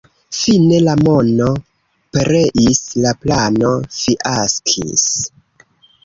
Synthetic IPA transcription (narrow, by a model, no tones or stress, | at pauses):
fine̞lamo̞no̞ | peɾe̞ʔislaplano̞fiʔaskʰḭs